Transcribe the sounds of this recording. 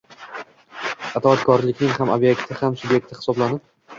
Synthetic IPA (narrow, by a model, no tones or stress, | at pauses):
at̪ʰaːt̪kʰɒɾlɪkʲnɪŋhamobje̞kt̪ʰɪhamsʊbje̞k̚t̪ʰɪhɪ̥sɒblanɪp̚